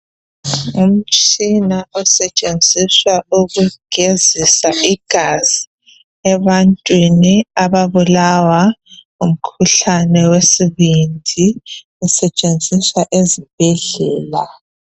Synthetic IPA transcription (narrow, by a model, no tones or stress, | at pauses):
um̩t͡ʃʼinaʔɔsɛt͡ʃʼend͡zʱiswauɣuɡ̥ʱezisaʔiɡ̥ʱaz̥i | ɛβantʼwiniaβaβulawa | um̩kʰuɬanɛwesiβindʱi | usɛt͡ʃʼend͡zʱiswaʔezib̥ʱɛɮɛːla